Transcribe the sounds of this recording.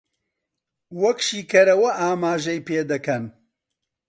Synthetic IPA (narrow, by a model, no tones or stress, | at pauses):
wɐkʃiːkɐɾɐwɐʔaːmaːʒɐjpeːd̪ɐkɐn